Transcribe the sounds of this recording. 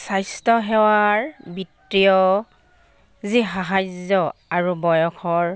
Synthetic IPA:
sajstɔɦɛwaɹbitːijɔ | ziɦaɦajzɔaɹubɔjɔkʰɔɹ

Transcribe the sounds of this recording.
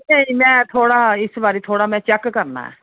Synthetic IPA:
nə̃ĩːmɛ̃ːt̪ʰoːɽaːɪsbaːɾiːt̪ʰoːɽaːmɛ̃ːt͡ʃɛkːkəɾna̰ːɦɛ̰ː

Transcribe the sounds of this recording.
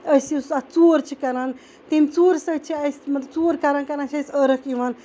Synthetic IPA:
əsisat͡suːɾt͡ʃʰikɐɾan | t̪emʲt͡suːɾsət͡ʃʰiɐsmɐt̪bt͡suːɾkɐɾankɐɾaːnt͡ʃʰɐsəɾəkiʋaːn

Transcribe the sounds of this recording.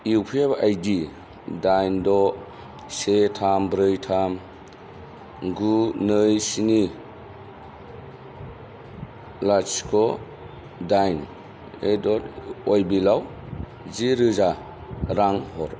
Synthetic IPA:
iwpʰepajdi | dajndɔ | setʰambɾɯjtʰam | ɡunɯjsini | lat͡ʃkʰɔ | dajn | edɔtɔjbilaw | ziɾɯza | ɾaŋhɔɾ

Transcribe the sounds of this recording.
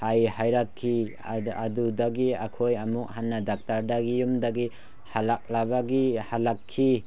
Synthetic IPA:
hajhajɾakkʰːi | adudaɡiakʰojɐmuk̚hanːadak̚taɾdaɡijumdaɡi | halak̚labaɡihalakʰːi

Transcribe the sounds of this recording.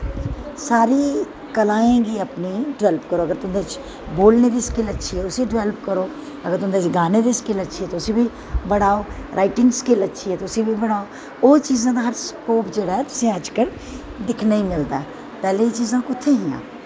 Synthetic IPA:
saːɾiː | kəlaːẽːɡiəpniːɖɪʋɛːlpkəɾoːəɡəɾt̪ʊ̃nd̪eːt͡ʃ | boːlneːd̪iːskɪlətːʃʰiːɛːʊsiɖɪʋɛlpkəɾoː | əɡəɾt̪ʊ̃nd̪eːt͡ʃɡaːned̪iːskɪlətːʃʰiɦɛːt̪oʊsĩːbʱiː | bəɽaːoːɾʔaːɪʈɪ̃ŋɡskɪlətːʃʰiɛːt̪oʊsĩːbʱibəɽaːo | oːt͡ʃiːzãːd̪aːɦəɾskoːpd͡ʒeːɽaːɦɛt̪ʊ̥sĩəd͡ʒkəɾ | d̪ɪkʰnaĩmɪld̪aɛ | pɛːleit͡ʃiːzãːkʊt̪ʰːẽːɦĩã̰ː

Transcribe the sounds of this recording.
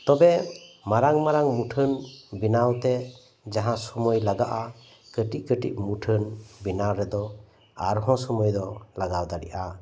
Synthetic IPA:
t̪ɔbemaɾaŋmaɾaŋmuʈʰɯnbinawt̪e | d͡ʒaɦãsɔmɔjlaɡaʔa | kəʈiʔkəʈḭʔ̚muʈʰɯnbinaɾɛd̪ɔ | a̰ɾɦɔ̃sɔmɔjd̪ɔlaɡawd̪aɾḭʔa

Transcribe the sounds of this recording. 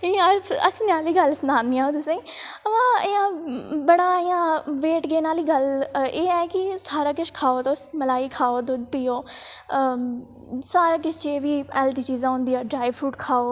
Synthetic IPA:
ɪaːəsnaːliːɡəlsnaːnd̪iãːõːt̪ʊsẽːəʋãːɪjãːbəɽaːɪjãːʋeːʈɡeːnaːliːɡəleːɛːkɪsaːɾaːkɪʃkʰaːoːt̪oːsməlaːiːkʰaːoːd̪ʊd̪piːoː | saːɾaːk̬ɪt͡ʃt͡ʃeːʋiːɛːld̪iːt͡ʃiːzãːʊ̃nd̪iːãːɖɾaːiʋpʰuːʈkʰaːoː

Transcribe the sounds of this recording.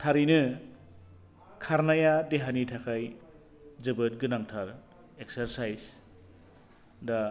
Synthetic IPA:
tʰaɾinɯ | kʰaɾnajadeɦanitʰakʰaj | d͡ʒɯbɯt̚ɡɯnaŋtʰaɾ | ekseɾsajs | da

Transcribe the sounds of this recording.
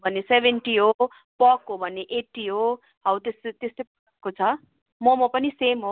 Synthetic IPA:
bʱʌnːesebʱeɳʈiɦo | pʌkɦobʱʌnːeʔeʈːiɦo | ɦʌwt̪eset̪est̪ep | kot͡sʰʌ | mʌmʌpʌnisemɦo

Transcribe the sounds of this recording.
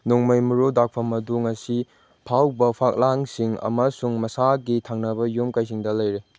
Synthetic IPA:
nuŋmɐjmuɾodak̚pʰɐmɐduŋɐsi | pʰawbɐpʰak̚laŋsiŋɐ̰mɐsuŋmɐsaɡitʰaŋnɐbɐjomkajs̬iŋdɐlɐjɾe

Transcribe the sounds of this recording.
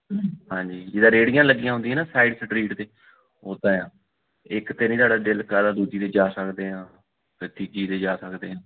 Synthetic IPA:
hãːɲd͡ʒiːd͡ʒɪd̪ãːɾeːɽijãːləɡijãɦʊ̃nd̪ijãːnaːsaːɪɖsəʈɾiːʈt̪eː | oːt̪ãːjãː | ɪkt̪eːnĩːt̪aːɽaːɖɪlkəɾaːd̪uːd͡ʒiːt̪eːd͡ʒaːsəkd̪eːɦãː | pət̪iːd͡ʒiːt̪eːd͡ʒaːsəkd̪eːɦãː

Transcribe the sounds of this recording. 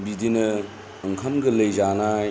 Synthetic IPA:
bidinɐː | ŋkʰɐmɡɐlɐjzanaj

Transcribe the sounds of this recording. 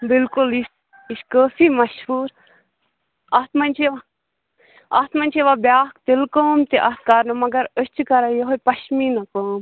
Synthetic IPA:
bɪlkulis | iʃkəːsimɐʃhuːɾ | ɐt̪mɐnʲt͡ʃʰeʋa | at̪mɐnʲt͡ʃʰeʋabjaːk̚t̪ilkoːmt̪iʔɐt̪̚kaɾnumɐɡɐɾəst͡ʃukɐɾajeɦojpɐʃminɐkoːm

